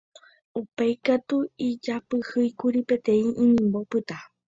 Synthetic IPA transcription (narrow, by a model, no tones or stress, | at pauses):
upajkat̪uid͡ʒapɨhɨjkuɾipe̞t̪ẽ̞ĩʔĩɲĩmbo̞pɨt̪a